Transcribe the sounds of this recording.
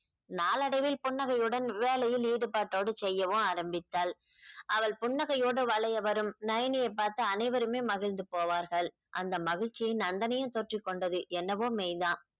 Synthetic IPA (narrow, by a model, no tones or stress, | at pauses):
naːlɐɽɐʋɪlpʊɳːɐɣɐjɯɽɐnʋeːlɐjɪliːɽɯpaːʈːoːɽɯt͡ʃɛjːɐʋɯ̃aːɾɐmbɪt̪ːaːl | ʔɐʋɐɭpʊɳːɐɣɐjoːɽɯʋɐɭɐjɐʋɐɾɯmnɐjɐnɪjɐɪpːaːɾt̪ɐːnɐɪʋɐɾɯmeːmɐɣɪnd̪ɯpoːʋaːɾɣɐɭ | ʔɐ̰nd̪ɐmɐɣɪɻt͡ʃːɪjɪnɐnd̪ɐnɐjɯ̃t̪ɔʈrɪkːɔɳɖɐðɯʔɛnːɐʋoːmejðãː